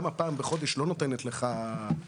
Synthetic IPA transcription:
mapaːmbeχo̞d̪eʃlo̞no̞t̪enet̪le̞χa

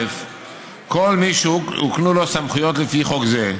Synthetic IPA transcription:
ef | kolmiʃuuknulosamχujot̪lefiχokze

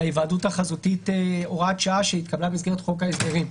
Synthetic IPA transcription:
aivaːdutaχazutiteoʁatʃaaʃeit̪kablamisɡe̞etχo̞kaezdeʁim

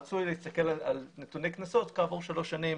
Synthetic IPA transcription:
t͡sujleist̪ake̞lalalne̞t̪unejknaso̞t̪kavoʁʃalo̞ʃanim

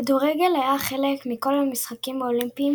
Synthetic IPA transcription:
aduʁeɡe̞lhajaχe̞lekmiko̞lhamisχakimaolimpiː

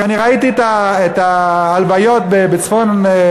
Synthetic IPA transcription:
aniʁait̪it̪aet̪aːlvajo̞t̪̚bebet͡sfo̞n

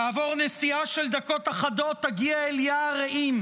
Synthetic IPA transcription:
aːvo̞ʁnesiaʃe̞ld̪ako̞t̪aχado̞t̪ːaɡiaeljaʁeʔim

